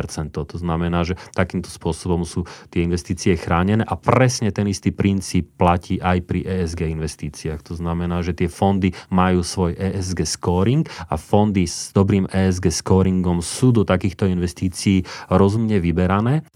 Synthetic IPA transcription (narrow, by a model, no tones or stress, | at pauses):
ɾt͡sɛnt̪ɔʊt̪ɔznamɛnaːʒɛt̪akiːmt̪ɔ̥spʊɔsɔbɔmsuːt̪ɪɛinʋɛst̪iːt͡siɛxɾaːɲɛnɛːʔapɾɛsɲɛt̪ɛnist̪iːpɾint͡siːpːlaciːʔajpɾiʔɛːɛzɡɛːinʋɛst̪iːt͡siaxt̪ɔznamɛnaːʒɛt̪ɪɛfɔnd̪imajuːsʋɔjʔɛːʔɛzɡɛːskɔːɾiŋɡa̰fɔnd̪izd̪ɔbɾiːmɛːɛzɡɛːskɔːɾiŋɡɔmsuːd̪ɔt̪akiːxt̪ɔinʋɛst̪iːt͡siiːɾɔzumɲɛʋibɛɾanɛː